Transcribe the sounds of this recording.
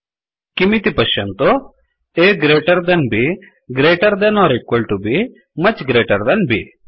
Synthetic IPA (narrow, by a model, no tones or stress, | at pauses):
kimit̪ipɐʃɐnt̪o | eːɡɾeːʈɐɾd̪ɐnbi | ɡɾeːʈɐɾd̪ɐnɔːɾikwɐlʈubi | mɐt͡ʃɡɾeːʈɐɾd̪ɐnbḭ